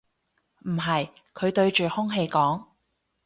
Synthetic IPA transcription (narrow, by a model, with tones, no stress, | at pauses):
m̩˨˩ɦɐ˨jkʰɵ˨˧ɥt̪ɵ˧ɥt͡ʃyː˨hʊ˥ŋɦe˧jkɔː˨˥ŋ